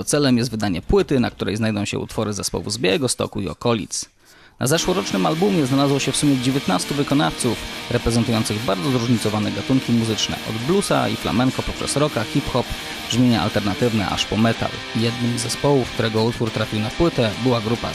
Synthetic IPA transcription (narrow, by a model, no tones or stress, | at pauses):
ɔt̪sɛlɛmjɛst̪vɘd̪aɲɛpwɘt̪ɘnak̚t̪uɾɛ̰jznajd̪ɔ̃w̃ɕɛ̰ʔṵt̪fɔɾɘzɛspɔ̰wṵzbʲaɛɡɔst̪ɔ̰kuiɔ̰kɔlʲḭt̪s | na̰zɛʂwɔɾɔt͡ʂnɘmalbumʲjɛznalazwɔɕɛfsumʲjɛd͡ʑevʲjɛt̪nast̪uvɘkɔnaft̪sufɾɛpɾɛzɛnt̪ujɔnt̪sɘɣbaɾd̪zɔzɾuʐɲit̪sɔvanɛɡat̪uŋkʲimuzɘt͡ʂnɛ̰ʔɔ̰d̪blusa̰ifla̰mɛŋkɔpɔpʂɛ̰sɾɔkaxʲipxɔp | bʐmʲjeɲaʔa̰lt̪ɛɾnat̪ɘvnɛ̰ʔa̰ʂpɔmɛt̪a̰l | jɛd̪nɘmzːɛspɔwufk̚t̪uɾɛɡɔut̪fuɾt̪ɾafʲiwnapwɘt̪ɛbɘwaɡɾupa̰